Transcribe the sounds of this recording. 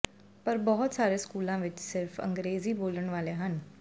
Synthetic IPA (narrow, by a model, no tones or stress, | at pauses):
pəɾbɔɦʊt̪saːɾeskuːlãʋɪt͡ʃsɪɾfʰə̰̃ŋɡɾeːziboːləɽ̃ʋaːleɦən